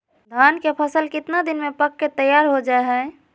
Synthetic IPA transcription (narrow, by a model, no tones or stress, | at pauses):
d̪ʱankepʰəsəlkɪt̪nad̪inmepəkːet̪əjaɾɦod͡ʒaeɦə̃